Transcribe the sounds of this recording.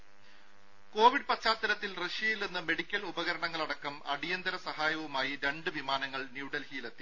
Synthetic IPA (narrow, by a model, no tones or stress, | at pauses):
ko̞ːʋiɖ̚pɐt͡ɕːaːt̪ːɐɾɐt̪ːilreʂjɐjilninːɨme̞ɽikʲːɐlubɐɣɐɾɐɳɐŋːɐɭɐɽɐkːɐmɐ̰ɽijɐnd̪ɐɾɐsɐhaːjɐʋumaːjiɾe̞ɳɖɨʋimaːnɐŋːɐɭnjuːɽɐlhiːlɐt̪ːi